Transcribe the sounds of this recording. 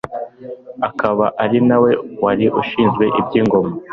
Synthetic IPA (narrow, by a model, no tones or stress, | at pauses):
akaβaʔaɾinawe̞waɾiʔuʃiːnzɡwe̞ʔibɟiːŋɡo̞ma